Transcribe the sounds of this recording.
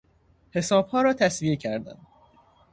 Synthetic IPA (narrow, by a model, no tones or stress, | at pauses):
he̞sɒːb̥hɒːɾɒːt̪ʰæsvije̞cʰæɾd̪æ̰n